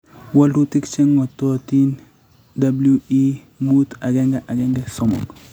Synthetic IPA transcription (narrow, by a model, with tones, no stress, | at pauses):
wa˦lu˦tɪ˦kt͡ʃɛ˦ŋːɔ˨tɔ˦ti˦n | da˦blui˦ | mu˦t̪a˨ɡɛ˦ŋɡɛ˦ʔa˨ɡɛ˦ŋɡɛ˦sɔ˦mɔ̰˨k